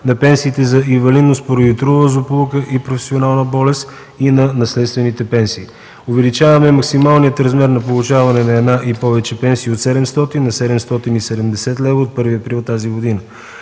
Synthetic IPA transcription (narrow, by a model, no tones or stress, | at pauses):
nɐpɛnsiːt̪ɛzɐĩɱvɐlid̪nost̪poɾəjut̪ɾuvəzoplˠukəʔipɾofɛ̥sionalˠnəbɔlɛst̪ | inɐnɐslɛt̪st̪vɛnit̪ɛpɛnsiː | ʊvɛlit͡ʃavɐmɛmɐksimalˠnijət̪ɾɐzmɛɾnɐpolˠut͡ʃavɐnɛnɐɛd̪naʔipɔvɛt͡ʃɛpɛnsiːot̪sɛd̪ɛmst̪ɔt̪inːɐsɛd̪ɛmst̪ɔt̪inisɛd̪ɛmd̪ɛsɛt̪lɛvəot̪̚pɤɾviəpɾit̪ːaziɡod̪inə